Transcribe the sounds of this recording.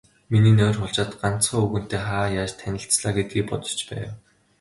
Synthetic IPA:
miniːnœːrχʊɮt͡ɕaːt̪ɢan̥t͡sχɔːɵɣɘ̆n̥t̪eːχaːjat͡ɕt̪ʰænʲɪ̆ɬt͡sɮaːɡet̪̚ɡiːk̚pɔt̪ɞ̥̆t͡ɕpæ̰ːw

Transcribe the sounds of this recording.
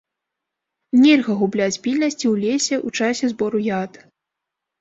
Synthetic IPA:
nʲɛlʲɣɐɣublʲat͡sʲpʲilʲnɐsʲt͡sʲiwlʲesʲɛʔut͡ʂasʲɛzbɔɾujat̪

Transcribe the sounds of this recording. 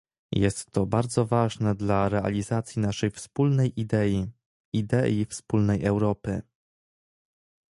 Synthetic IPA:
jɛst̪ːɔbaɾd̪zɔvaʐnɛd̪laɾɛa̰lʲizat̪sʲjinaʂɛjfspulnɛjid̪ɛi | id̪ɛifspulnɛjɛwɾɔpɘ

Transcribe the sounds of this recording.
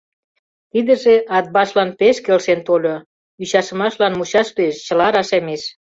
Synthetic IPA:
t̪id̪ə̆ʒeʔɑd̪̚bɑʃlɑnpeʃkelʃent̪olʲo | yɕɑʃə̆mɑʃlɑnmut͡ɕɑʃt̪yeʃt͡ɕə̆lɑɾɑʃemeʃ

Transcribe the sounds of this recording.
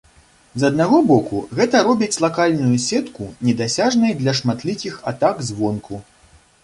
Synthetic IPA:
zɐd̪̚naɣɔbɔkṵɣɛt̪ɐɾɔbʲit͡sʲlˠakalʲnujusʲɛt̪kunʲɛd̪asʲaʐnɐjd̪lʲɐʂmat̪lʲikʲixat̪aɡzʲvɔnku

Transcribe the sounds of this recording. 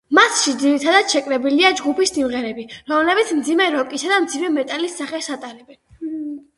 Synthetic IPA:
masʃid̪ziɾit̪ʰad̪at̪ʃɛkʼɾɛbiliad͡ʒɡupʰisːimʁɛɾɛbiɾɔmlɛbit̪sʰmd̪zimɛɾɔkʼisad̪amd̪zimɛmɛt̪ʼalisːaχɛsat̪ʼaɾɛbɛn

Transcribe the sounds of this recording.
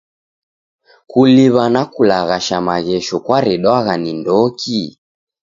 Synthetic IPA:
kuliβanakulaɣaʃamaɣɛʃɔkwaɾɛɗwaɣanindɔki

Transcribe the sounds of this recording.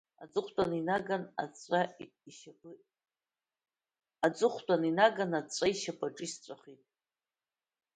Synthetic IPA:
a̰t͡sʼɨχʷtʷʼaninaɡana̰t͡sʷʼa | iʃa | at͡sʷʼɨχʷtʷʼaninaɡanat͡sʷʼaiʃapʰʼaʈ͡ʂʼɨst͡sʷʼaχitʼ

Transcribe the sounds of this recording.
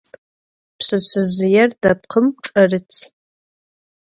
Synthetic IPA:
pʰsɨsɨzjardap̚ʰqʰəmʈ͡ʂʼarɨt͡sʰ

